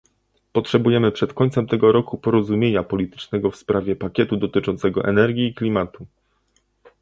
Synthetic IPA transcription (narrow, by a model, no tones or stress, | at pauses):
pɔtʂɛbujɛmɘpʂɛt̪kɔɲt̪sɛmt̪ɛɡɔɾɔkupɔɾɔzumʲjeɲapɔlʲit̪ɘ̥t͡ʂnɛɡɔfspɾavʲjɛpakʲɛt̪ud̪ɔt̪ɘt͡ʂɔnt̪sɛɡɔʔɛ̰nɛɾɡʲiːklʲimat̪u